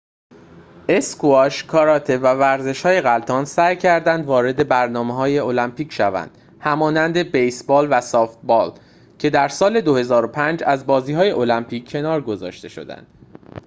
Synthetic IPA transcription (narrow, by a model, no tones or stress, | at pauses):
ʔe̞skʰuɒʃkʰɒɾɒt̪ʰe̞vævæɾze̞ʃhɒːje̞ɣælt̪ʰɒːnsæjcʰæɾd̪ænd̪vɒːɾe̞d̪e̞bæɾnɒːmeɦɒːje̞o̞læmpiːcʰʃævæ̰nd̪̥ | hæmɒːnænd̪e̞bejsbɒːlvæsɒːft̪̚bɒːl | cʰe̞d̪æɾsɒːle̞d̪o̞he̞zɒːɾo̞pʰænd͡ʒæzbɒːziːhɒːje̞ʔo̞læmpʰiːcʰːe̞nɒːɾɡo̞zɒ̰ːʃt̪e̞ʃo̞̰d̪æ̰nd̪̥